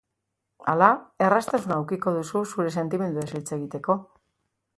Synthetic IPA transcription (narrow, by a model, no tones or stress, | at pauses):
a̰lae̞rast̪asunaːwkiko̞ðususuɾe̞se̞nt̪ime̞nd̪uesilt͡se̞ɣit̪e̞ko̞